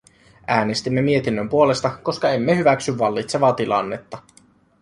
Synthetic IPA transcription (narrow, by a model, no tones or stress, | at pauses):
æːne̞st̪imːe̞mie̞t̪inːømpuo̞le̞st̪ɑko̞skɑe̞mːehyʋæksyʋːɑlːit̪se̞ʋɑːt̪ilɑ̰nːet̪ːɑ